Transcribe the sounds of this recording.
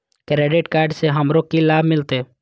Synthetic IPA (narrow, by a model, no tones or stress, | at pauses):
kɾeːɖɪʈkaːɾɖseɦɐmɾokilaːbʱmɪlt̪eː